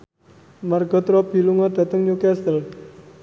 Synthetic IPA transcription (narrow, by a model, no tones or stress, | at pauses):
marɡ̥ɔ̤t̪ɾɔb̥i̤luŋɔɖ̥̪ä̤t̪əŋɲukɛsəl